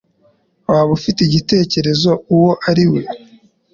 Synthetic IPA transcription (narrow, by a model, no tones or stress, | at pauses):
waːβufiteiɟite̞ːce̞ɾe̞zo̞uwo̞ʔaɾiwo